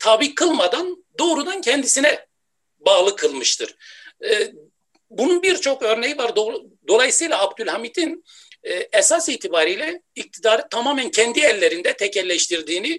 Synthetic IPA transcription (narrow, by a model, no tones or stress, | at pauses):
t̪ʰabikʰːɯlˠmad̪and̪o̞ːɾud̪ancʰɛnd̪isinɛ | baːlˠɯkʰɯlˠmɯʃt̪ʰɯɾ̥ | bununbiɾt͡ʃʰo̞kø̞ɾnejivaɾd̪o | d̪o̞lˠajɯsɯjlˠaːbd̪ylʲhamid̪inː | ɛsasiːt̪ʰibaːɾijlʲɛic̚t̪ʰid̪aːɾɯt̪ʰamaːmæncʰɛnd̪iɛlʲːe̞ɾind̪ɛt̪ʰɛcʰɛlʲːɛʃt̪iɾd̪iːni